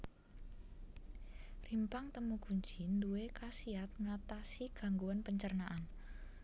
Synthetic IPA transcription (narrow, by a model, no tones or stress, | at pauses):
rimpaŋt̪əmuɡ̥uɲd͡ʒi̤nd̪uekasiat̪̚ŋat̪asiɡ̥a̤ŋɡuanpəɲt͡ʃərnaʔan